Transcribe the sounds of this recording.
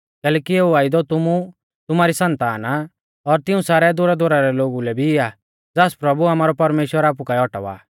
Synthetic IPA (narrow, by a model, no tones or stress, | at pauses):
kɛːlɛːkieːuaːid̪ɔt̪ʊmu | t̪ʊmaːɾisɐ̃nt̪aːna | ɔɾt̪ɪũsaːɾɛd̪ʊɾad̪ʱʊɾaɾɛloːɡulɛbʱiɪaː | d͡zaːspɾɐbuaːmaːɾɔpɐɾmeːʃwəɾaːp̬ukaɛɔʈɔ̰ʋa̰ː